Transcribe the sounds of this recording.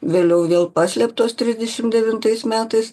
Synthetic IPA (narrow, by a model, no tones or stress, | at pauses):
ʋʲeːlʲɛʊʋʲeːlˠpɑːsʲlʲɛpt̪oːst̪ʲɾʲɪzʲd̪ʲɛʃʲɪmd̪ʲɛʋʲɪnt̪ɐɪsmʲæːt̪ɐɪs